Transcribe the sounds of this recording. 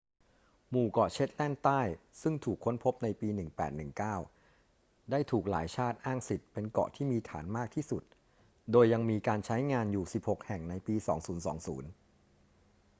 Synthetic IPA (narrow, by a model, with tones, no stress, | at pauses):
muː˨˩kɔ˨˩t͡ɕʰe˦˥t̪̚lɛ˥˩nt̪aː˥˩jsɯ˥˩ŋt̪ʰuː˨˩kʰːo˦˥npʰo˦˥p̚na˧jpiː˧nɯ˨˩ŋpɛː˨˩t̪̚nɯ˨˩ŋkaː˥˩w | daː˥˩jt̪ʰuː˨˩k̚la̰ː˩˦jt͡ɕʰaː˥˩t̪̚ʔaː˥˩ŋsi˨˩t̪̚pe˧nkɔ̰˨˩t̪ʰiː˥˩miː˧t̪ʰa̰ː˩˦nmaː˥˩k̚t̪ʰiː˥˩su˨˩t̪̚ | doː˧jːa˧ŋmiː˧kaː˧nt͡ɕʰa˦˥jŋaː˧njuː˨˩si˨˩p̚ho˨˩k̚hɛ˨˩ŋna˧jpiː˧sɔ̰ː˩˦ŋsuː˩˦nsɔ̰ː˩˦ŋsuː˩˦n